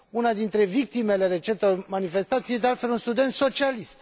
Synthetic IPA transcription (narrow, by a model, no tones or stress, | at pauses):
unad̪int̪ɾe̞vik̚t̪ime̞le̞ɾe̞t͡ʃent̪manife̞st̪at̪sijed̪ealt̪fe̞lunst̪ud̪e̞nt̪so̞t͡ʃialist̪